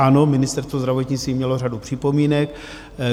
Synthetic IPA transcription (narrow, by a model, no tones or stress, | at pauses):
anomɪnɪst̪ɛɾst̪vozd̪ɾavo̞t̪ɲɪt͡st̪viːmɲɛlo̞radupr̝̥ɪpo̞miːnɛk